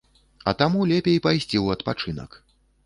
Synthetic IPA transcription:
ɐ̰t̪amulʲɛpʲejpajsʲt͡sʲiwɐt̪pat͡ʂɨnɐ̰k

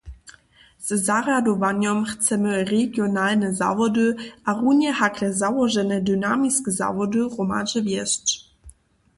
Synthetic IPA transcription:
z̥zarad̪ɔvanjɔmxt͡sɛmɘreɡjɔnalnəza̰vɔd̪ɨʔaʁunʲjɛhakrɛzawɔʒɛnɛd̪ynamiskəza̰vɔdɨʁɔma̰ʒəvjɛst͡ʃ

